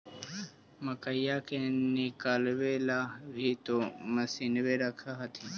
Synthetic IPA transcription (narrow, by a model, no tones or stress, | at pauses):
məkəjakenɪkaːlwelaːbʱit̪oməsiːnweɾəkʰaɦət̪ʰi